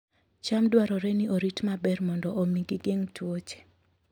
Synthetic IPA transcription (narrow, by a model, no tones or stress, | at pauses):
t͡ʃamdwaɾɔɾɛniʔoɾitmabɛrmɔndɔʔomiɡiɡeŋtʰwot͡ʃe̥